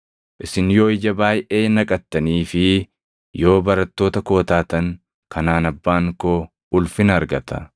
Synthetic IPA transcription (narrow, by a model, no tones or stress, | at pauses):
ʔɪsɪnjo̞ːɪd͡ʒɐbaːjʔeːnɐkʼɐt̪ːɐniːfɪ | jo̞ːbɐɾɐt̪ːo̞ːt̪ɐko̞ːt̪aːt̪ɐŋ | kʰɐnaːnɐbːaːŋkoː | ʊlfɪnɐɾɡɐt̪ɐ